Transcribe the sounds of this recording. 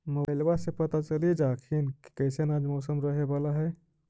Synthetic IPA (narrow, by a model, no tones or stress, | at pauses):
mobajlbasẽpət̪at͡ʃəlid͡ʒaːkʰinki̥kəɪsenad͡ʒmɔːsəmɾəɦebalaɦɛ